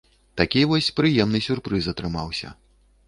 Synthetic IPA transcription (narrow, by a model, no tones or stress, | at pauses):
t̪akʲivɔsʲpɾɨjɛmnɨsʲurpɾɨzɐt̪ɾɨmawsʲɐ̰